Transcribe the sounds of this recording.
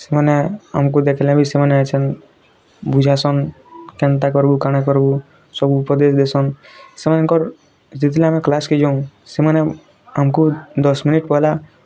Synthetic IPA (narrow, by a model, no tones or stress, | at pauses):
semənea̰mkod̪ekʰelẽbʱisemənat͡ʃʰən | bud͡ʒʱasɔn | kɛ̃nt̪akɔɾbukaɽ̃ekɔɾbu | sɔbupɾəd̪esd̪esɔn | semənkɔɾ | sit̪ilẽamẽklaskid͡ʒaũseməne | amkud̪ɔsminiʈpɔɦla